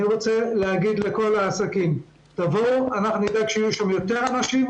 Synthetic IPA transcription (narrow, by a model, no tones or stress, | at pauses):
iʁo̞t͡se̞leɦaɡid̪le̞ko̞laːsakim | t̪avo̞anaχnunid̪aɡʃeːijuʃamjo̞t̪e̞ʁanaʃim